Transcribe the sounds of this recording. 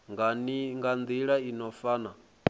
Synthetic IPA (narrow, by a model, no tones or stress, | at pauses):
ŋɡaniŋɡand̪iɺainɔfaːna